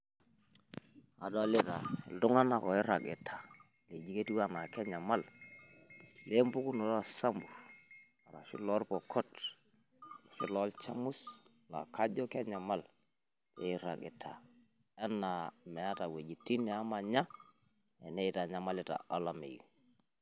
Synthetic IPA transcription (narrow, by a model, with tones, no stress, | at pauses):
a̰˨dle˦ta̰˨ɛ̰˨ldʊ˦ŋa˦na˨kɔ˨ɪ˦ɾa˨ɡɪ˨tʰḁ˨ | le˨d͡ʒi˦ke˦tu˦wa˦na˨kɛ˦ɲa˨ma˦l | le˦mbu˦ku˦nɔ˨ɾa˨sa˦mbu˨r | a˨ɾa̰˨ʃi˦lɔ˦lpɔ˨kʰɔ˦t | la˨ʃɪ˦lɔ˦lt͡ʃa˦mu˦s | la̰˨ka˦d͡ʒɔ˦kɛ˦ɲa˨ma˦l | lɛ˨ɪ˦ɾa̰˨ɡɪ̰˨tʰa̰˨ | ɛ˦na˨mɛ˨a˦ta˨we˨d͡ʒi˨tːi˦nɛ˨a˦ma˨ɲa˦ | ɛ˨ne˦ɪ˦ta˨ɲa˨˦ma˦lɛ˦ta̰˨ʔa˦la˨mḛ˨ḭ˨